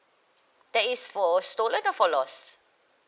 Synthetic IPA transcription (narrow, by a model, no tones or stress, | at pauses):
d̥ɛtisfɔstolə̃nɔfɔlɔs